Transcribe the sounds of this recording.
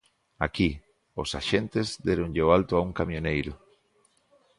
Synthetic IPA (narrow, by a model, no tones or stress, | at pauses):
a̰ki | osa̰ʃent̪ezd̪eɾoŋʎoalt̪oauŋkamjonejɾo